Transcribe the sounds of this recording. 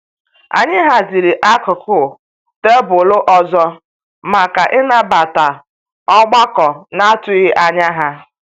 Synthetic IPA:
a̰˨ɲɪ˦ɦa˦zi˨ɾi˨ʔa˦kʊ˨kʊ˦˨ | te˦bʊ˨lʊ˦ʔɔ˦zɔ˦ | ma˨ka˨ʔɪ˦na˦ba˨ta˨ | ɔ˦ɡ͡ba˦kɔ˨na˦a˦tʊ˦ɪ˦ʔa˨ɲa˦ɦa˦

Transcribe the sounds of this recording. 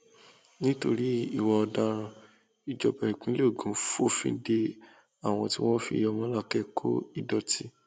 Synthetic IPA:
nĩ˦to˧ɾi˦i˦˨wɔ˧ɔ˧da˧ɾ̃ã˧ | i˨d͡ʒɔ˨pɛ˨ɾi˨k͡pĩ˨˦lo˦˨ɡũ˨˦fo˦˨fḭ̃˧˦de˧ | a˨w̃ɔ̃˧ti˦w̃ɔ̃˦fḭ˧˨jɔ˧mã˦la˦˨kɛ˦kʰo̰˦i˦˨dɔ˧ti˦

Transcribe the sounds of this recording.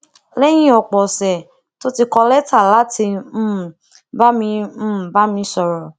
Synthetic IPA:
lɛ˦j̃ĩ˦ɔ˨k͡pɔ˨sɛ˨ | to˦ti˧kɔ˧lɛ˦ta˦˨la˨˦ti˧m̩˦˨ | ba˦mĩ˧m̩˦˨ba˦mĩ˧sɔ˧ɾɔ˨

